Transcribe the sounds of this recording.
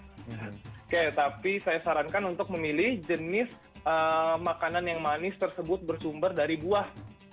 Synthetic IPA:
kaat̪apisajasaɾankanunt̪ʊk̚məmilɪhd͡ʒənɪs | ʔəmakananjaŋmanɪst̪ərsəbʊt̪̚bərsumbərdaɾibuah

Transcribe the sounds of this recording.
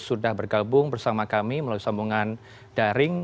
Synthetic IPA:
sudahbərɡabʊŋbərsamakamiməlawisambuŋan | d̥aɾɪŋ

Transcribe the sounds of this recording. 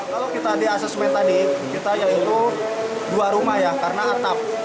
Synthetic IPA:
kalawkit̪adiasɛsmɛt̪adikit̪ajait̪u | duaɾumahjakarənaart̪ap̚

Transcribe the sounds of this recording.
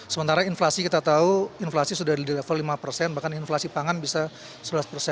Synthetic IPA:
səmənt̪aɾainflasikit̪at̪auinflasisudahdidiləfɔlimapərsɛnbahkaninflasipaŋanbisa | səbəaspərsɛn

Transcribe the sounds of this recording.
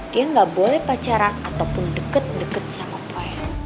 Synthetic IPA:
jəŋɡabolɛhpat͡ʃaɾanat̪awpʊndəkət̪̚dəkət̪̚samapʰoɛ

